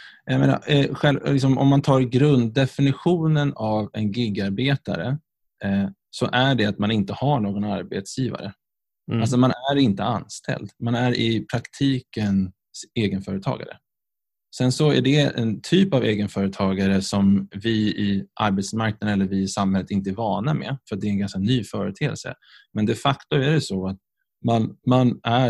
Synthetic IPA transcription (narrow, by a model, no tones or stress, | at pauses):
jajmḛːna̰ɧɛllɪksɔmʔɔ̰mːant̪ʰɑːɾɡɾɵnd̪̚d̪ɛfɪnɪɧuːnənavɛnɡʏɡːaɾbeːt̪a̰ɾə̰ | sɔ̰ʔæɖɛat̪manɪnt̪əhaɳoːɡɔnaɾbḛt̪sjiːva̰ɾə̰ | als̬ɔmanæɾɪnt̪əanst̪ʰɛ̰ld̪manæɾɪpʰɾakt̪ʰiːkən | seːɡənfœːɾət̪ʰɑ̰ːɡa̰ɾə̰ | sɛnsɔæ̰ɖɛɛ̰nt̪ʰyːpaveːɡənfœːɾət̪ʰɑːɡaɾəsɔmvɪɪʔa̰ɾbɛt̪smaɾk̚nad̪ɛlːəɾvɪsamhɛlːət̪ɪnt̪əæɾvɑːɳamɛ̰fœɾat̪̚d̪ɛːnɡanskanyːfœːɾət̪ʰḛːlsə̰ | mɛnd̪ɛfakt̪ɵmæɖɛsɔat̪̚ | manmanæ